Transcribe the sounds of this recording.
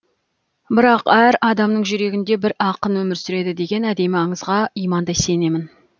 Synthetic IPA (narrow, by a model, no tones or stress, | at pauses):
bɪɾɑqæɾɑd̪ɑmnəɴʒʏɾe̞ɡʲɪnd̪e̞bɪɾɑqənwɵmɪɾsʏɾe̞d̪ɪd̪e̞ɡʲe̞næd̪e̞mɪɑɴəzʁɑijmɑnd̪ɑjse̞ne̞mɪn